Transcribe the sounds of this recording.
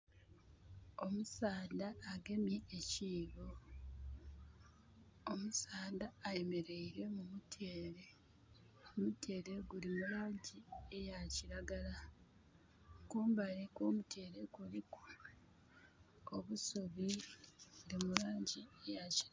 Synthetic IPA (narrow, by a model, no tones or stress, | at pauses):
omusaːndaːɡe̞mjeːciːβo | omusaːdaːje̞me̞ɾe̞iɾe̞mumutʰeːɾe | omutʰeːɾe̞ɡuɾimuɾaːɲɟiejaciɾaɡala | kuːmbaɾikoːmutʰeːɾe̞ɡuɾiku̥ | oβusuβiɡuɾimuɾaːɲɟiejaciɾa